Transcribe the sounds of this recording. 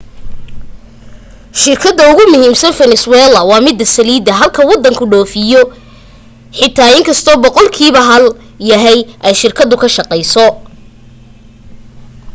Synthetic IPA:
ʃɪrkʰɐd̪ːɐʊɣʊmʊɦiːmsɐnfɛnɛswɛːlɐwɑːmɪd̪ɐsɐliːd̪ɐɦɐlkʰɐwɑd̪ːɐŋkʰʊɖɔːfɪjɔ | ħɪt̪ʰːaːɪŋkʰɐst̪ʰɔːbɔqɔlkʰiːβɐɦɐl | jɐɦɛjʔɛjʃɪrkʰɐd̪ʊkʰɐʃɑqɛjsɔ

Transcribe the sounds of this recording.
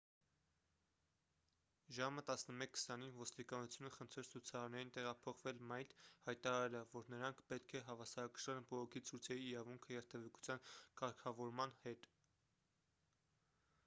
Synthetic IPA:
ʒɑmət̪ɑsnəmɛkʰːə̥sɑninvɔst̪ikɑnut͡sʰjunəχənt̪ʰɾɛɾt͡sʰut͡sʰɑɾɑɾnɛɾint̪ɛʁɑpʰɔχvɛlmɑjt̪hɑjt̪ɑɾɑɾɛlɛvːɔɾnəɾɑŋkʰpɛt̪kʰɛɦɑvɑsɑɾɑkə̥ʃɑlɛnbɔʁɔkʰit͡sʰujt͡sʰɛɾiːɾɑvuŋkʰəjɛɾt̪ʰɛvɛku̥t͡sʰjɑnkɑɾkʰɑvɔɾmɑnhɛt̪

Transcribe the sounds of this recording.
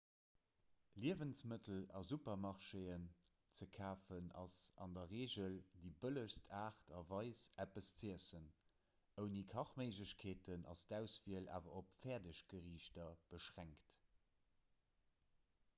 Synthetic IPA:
liəvənsmətʰəlɑzupɐmɑʁʃeːən | t͡səkʰaːfənɑ̰sɑ̰ndɐʁeːʑəldiːbələʃstʰaːχtʰɑvɑɪsæpəst͡siəsən | əʊnikʰɑχməɪʒləɕkʰeːtənʔɑ̰sd̥æʊsviəlʔa̰ːvɐopfɛːɐdəɕɡ̥əʁiːʃtɐb̥əʃʁæŋkt

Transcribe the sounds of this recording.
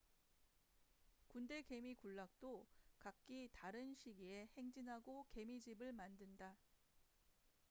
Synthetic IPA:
kunde̞ke̞mikuɭːak̚t͈okak̚k͈itaɾɯnɕʰiɡie̞he̞ŋd͡ʑinɦaɡoke̞mid͡ʑibɯɭmandɯnda

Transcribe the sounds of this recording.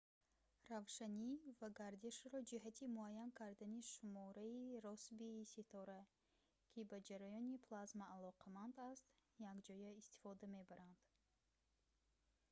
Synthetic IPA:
ravʃanivaɡaɾd̪iʃɾɔd͡ʒiɦat̪ʰimuajankʰaɾd̪aniʃumɔɾaiɾɔsbisit̪ʰɔɾa | kʲʰibad͡ʒaɾajɔnipʰlazmaːlɔqʰamand̪ast̪jaɡd͡ʒɔjaist̪i̥fɔd̪ame̞baɾand̪̥

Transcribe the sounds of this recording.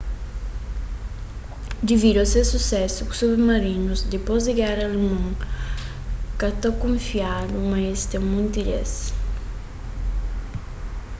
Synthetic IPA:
d̪iviɾasesusɛsuku̥submaɾinuzd̪ipɔziɡaɾalemãŋ | kat̪ɔkːuɱfiad̪umaest̪emunt̪iɾɛ̰s

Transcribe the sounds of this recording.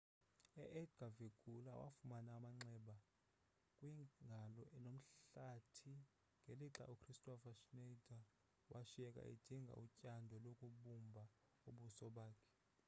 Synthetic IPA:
ɛʔɛdɡ̥ʱaveɡ̥ʱulawa̰fumanaːmaŋ͡ǀɛːɓa | kʼwiŋɡʱalɔʔɛnom̩ɬatʰi | ŋɡʱeliǁa̰ʔukʰristʼɔfaʃnedʰʱa | wʔaʃiɛkʼa̰ḭd̥ʱiŋɡʱa̰ucʼandʱɔlokʼuɓumbʱa | uɓusɔɓaːkʰɛ̥

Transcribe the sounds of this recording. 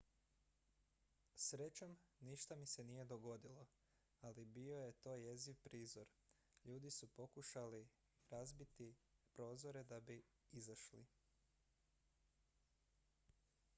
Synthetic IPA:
sɾe̞t͡ɕomniʃt̪amise̞nije̞d̪oɡo̞d̪ilo̞ | alibio̞je̞t̪o̞ːje̞ziʋpɾiːzo̞ɾ | ʎuːd̪isupo̞kuʃali | ɾazbit̪ipɾo̞ːzo̞ɾe̞d̪abi | izaʃlḭ

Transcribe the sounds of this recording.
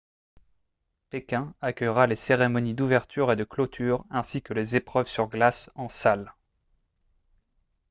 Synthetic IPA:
pekʲɛ̃akʲœjʁaleseʁemɔnid̪uvɛʁt̪ʰyʁed̪əklot̪ʰyʁɛ̃sikəlezepχœvsyʁɡlasɑ̃sal

